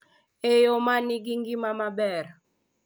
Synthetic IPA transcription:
ejɔmaniɡiŋɡimamabɛɾ

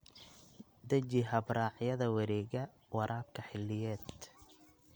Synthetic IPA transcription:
d̪ɐt͡ʃɪɦɐbraːʕjɐðɐwɐɾɛːɣɐ | wɑɾʔaːb̚kʰɐħɪlːɪjɛːd̪

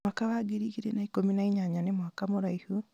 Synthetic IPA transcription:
akaβaɡiɾiiɾenaikominaiɲaɲanemwakamoɾaihu

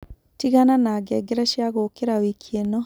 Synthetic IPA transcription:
tiɣananaːɡɛɡeɾaʃjaɣokeɾawikʰienɔ

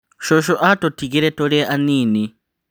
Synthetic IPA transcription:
ʃɔʃɔʔatɔtʰikiɾɛtɔɺiʔaniːni

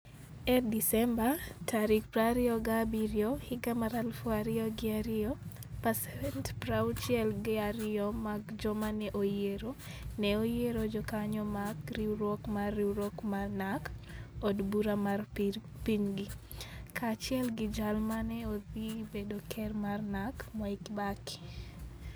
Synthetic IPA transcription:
ɛdisɛmbatʰaɾik̚pɾaɾɪɔɡabiɾjohɪɡamaɾalfaɾɪɔɡɪaɾɪɔpasɛvɛntpɾawt͡ʃiɛlɡɪaɾɪɔmaɡd͡ʒɔmanɛʔojeɾo | nɛojeɾod͡ʒɔkaɲɔmakriɾwɔkmariɾɔkmarnakɔdbuɾamar | piɲɡikʰat͡ʃɪɛlɡɪd͡ʒalmanɛoðibedokʰɛrmarnakmɔikbaki̥

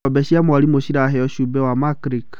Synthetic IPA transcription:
ɔbɛʃiamwaɾimoʃiɾaɦɛɔʃubɛwamakɾik

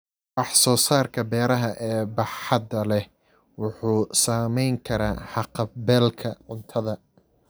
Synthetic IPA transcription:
ɑħsɔːsaːrkʰɐbɛːɾɐɦɐʔɛːbɑħɑd̪ɐlɛ | wʊħuːsaːmɛjŋkʰɐɾa̰ːħɑqɑbɛːlkʰɐʕʊnt̪ʰɐðɐ

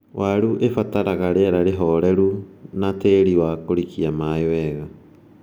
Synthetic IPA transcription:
wʔaɾuʔefataɾaɣaɾeɛɾaɾeɦɔɾɛɾunateːɾiwakoɾikiamaewɛɣa

